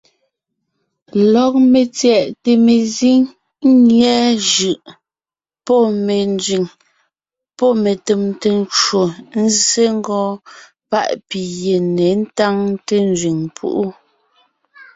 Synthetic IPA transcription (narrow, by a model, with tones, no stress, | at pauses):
lɔ˨˦k̚me˨t͡sjɛ˨ʔte˨me˨zi˦ŋ | ŋ˦ŋjɛ˦ʒɯ˨ʔ | pɔ˦me˨nd͡zɥi˨ŋ | pɔ˦˨me˨te˨mte˦˨n˦t͡ʃwo˨n̩˦ze˦ŋ˦ɡɔ̃ː˦ | pa̰˦ʔpi˨je˨ne˨˦n̩˦ta˦ŋte˦n˦d͡ʒɥi˨ŋpʰṵ˦ʔu˦